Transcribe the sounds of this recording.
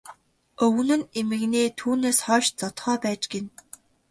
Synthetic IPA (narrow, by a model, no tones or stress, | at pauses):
ɵw̆nɘ̆nemɘ̆ɣneːt̪ʰuːneːsχɔːʃt͡sɔt̪χœːpæːt͡ɕɡen